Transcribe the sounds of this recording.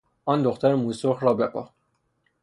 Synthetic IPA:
ʔɒːnd̪oxt̪æɾemusoxɾɒːbepʰɒ̰ː

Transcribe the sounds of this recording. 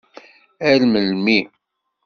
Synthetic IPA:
ælməlmi

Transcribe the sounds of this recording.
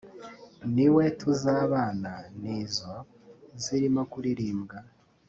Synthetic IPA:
niwe̞tʰuzaːβaːnaniːzwa | ziɾimakuɾiɾiːmɡa

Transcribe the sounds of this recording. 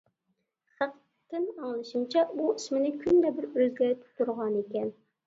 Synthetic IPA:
χæq | t̪ʰːɨnɑŋlˠɨʃimt͡ʃʰɛuismɪnɪkʲʰynd̪ɛbɪɾøzɡʲɛt̪ʰt̪uɾʁɑnekʲɛn

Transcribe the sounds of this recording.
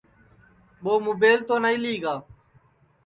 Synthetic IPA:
ɓoːmubeːlt̪oːnaiːliːɡaː

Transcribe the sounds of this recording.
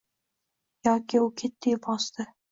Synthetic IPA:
jɒkʲɪʊkʲʰet̪ːɪjpɒst̪ɪ

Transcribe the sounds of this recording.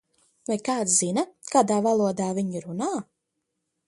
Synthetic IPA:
vajkaːt̪szinɐkaːd̪aːvalˠuɔd̪aːviɲiɾunaː

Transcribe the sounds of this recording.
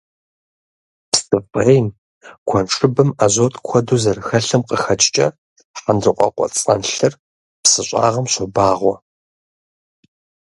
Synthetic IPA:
pstʼɨpʼejm | kʷʰɔnʂʼɨbɨmaʑoːtʼkʷʰɔduːzɐrxɐɬɐmqəxɐt͡ʃʼt͡ʃʼɐ̰ | ħandrɨqʷʼɔ̰qʷʼɔ̰t͡sʼɐnɬɨr | psɨɕʷʼa̰ːʁɐmɕʷɔbaːʁʷɔ

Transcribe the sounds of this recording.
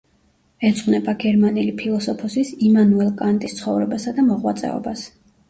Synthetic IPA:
ɛt̪sʼqʼnɛbaɡɛɾmanilipʰilˠɔsɔpʰɔsisimanuɛlˠkʼant̪ʼist̪sʰχɔvɾɛbasad̪amɔʁwa̰t̪sʼɛ̰ɔ̰bas

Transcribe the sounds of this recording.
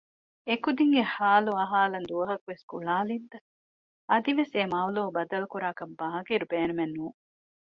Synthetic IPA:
ekud̪iŋɡehaːluɐɦaːlɐnd̪uʋɐɦɐkuʋeskuɭaːlint̪ɐ | ɐd̪iʋesemaːwloːbɐd̪ɐlukuɾaːkɐmbɐɦɐkiɾubeːnumenːuː

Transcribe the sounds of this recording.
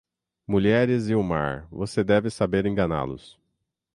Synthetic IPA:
muʎɛɾɪzɪʊma̰ɾvosed̪ɛvɪsabeɾẽɡɐ̃na̰lʊ̰s

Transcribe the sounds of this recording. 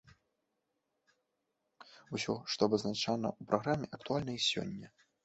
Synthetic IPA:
usʲɔʂt̪ɔɐbɐznat͡ʂanɐ̰upɾʔaɣɾamʲːɛʔɐkt̪ualʲnɐisʲɔ̰nʲːɐ

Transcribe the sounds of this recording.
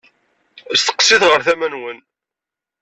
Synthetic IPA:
əst̪ə̥qːsiθʁəɾθæmænwən

